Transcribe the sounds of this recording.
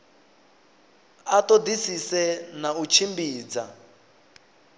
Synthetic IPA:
atɔdisisɛnaut͡ʃʰimbiːd͡za

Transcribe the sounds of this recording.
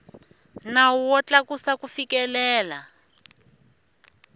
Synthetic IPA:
nawuwɔt͡ɬakusakufikɛlɛːla

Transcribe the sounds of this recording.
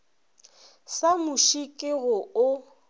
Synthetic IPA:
samʊʃikʼɪɣʊʊ

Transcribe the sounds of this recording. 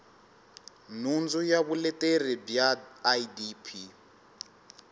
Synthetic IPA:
nund͡zujaβulɛtʼeribjadipʰi

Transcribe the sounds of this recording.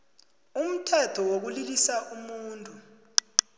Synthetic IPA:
um̩tʰɛtʰɔwok̬ulilisaʔumuːntʼu

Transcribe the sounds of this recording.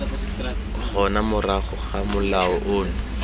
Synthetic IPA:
χɔnamʊraχʊχamʊlaɔʔoːŋ̩

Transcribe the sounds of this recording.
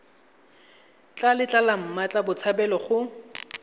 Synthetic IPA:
t͡ɬʼalɪt͡ɬʼalam̩mat͡ɬʼabʊt͡sʰabɛlɔχʊ

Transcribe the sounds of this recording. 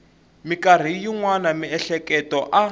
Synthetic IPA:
mikar̤ijiŋwanamiɛɬɛkɛtɔʔa

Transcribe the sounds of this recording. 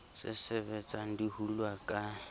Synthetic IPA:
sɪ̰sɛβɛt͡sʼan̩dihulwakʼa

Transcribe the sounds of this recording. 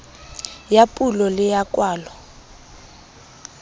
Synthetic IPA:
japʼulɔlɪjakʼwaːlɔ

